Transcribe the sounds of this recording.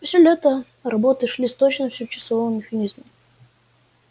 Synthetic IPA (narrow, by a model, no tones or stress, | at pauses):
pəsʲɪlʲɛt̪ə | ɾɐbot̪ɨʂlʲisʲt̪ot͡ɕnəfsʲɪt͡ɕɪ̥sɐvovəmʲɪxɐnʲizmə